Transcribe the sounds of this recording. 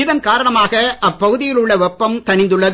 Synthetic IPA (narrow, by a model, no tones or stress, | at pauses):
ɪðɐnkaːɾɐɳɐmaːɣɐʔɐpːɐɣɯðɪjɪlɯɭːɐʋɛpːɐmt̪ɐɳɪnd̪ɯɭːɐ